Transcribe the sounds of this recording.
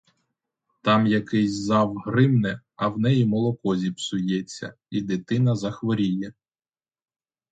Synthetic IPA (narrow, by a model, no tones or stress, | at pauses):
t̪ɑmjɐkɛjʲzɑwɦrɪmnɛ | ɐwnɛjimɔlˠɔkɔzʲipsʊjɛt͡sʲːɐ̰ | id̪ɪt̪ɪnɐzɐxʋɔɾʲijɛ